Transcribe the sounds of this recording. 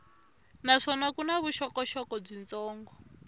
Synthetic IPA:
naʂɔnakunaβuʃɔkɔʃɔkɔb͡ʐint͡sɔːŋɡɔ

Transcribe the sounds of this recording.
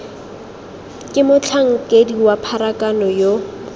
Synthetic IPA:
kʼɪmʊt͡ɬʰaŋ̩kʼediwapʰaɾakʼanɔjo

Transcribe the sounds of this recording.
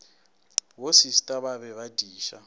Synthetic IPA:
wosistʼaβaβɛβad̥ʱiːʃa

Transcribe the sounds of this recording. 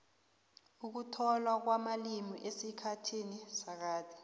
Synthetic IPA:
uk̬utʰɔlwak̬wamalimiʔesikʰatʰinisak̬aːti̥

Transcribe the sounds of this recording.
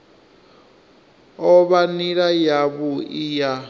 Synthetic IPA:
ɔβaniɺajaβuija

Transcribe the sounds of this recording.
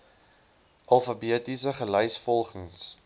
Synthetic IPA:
ʔɐlˠfɐbiətisəχəlœjsfɔlˠχəŋs

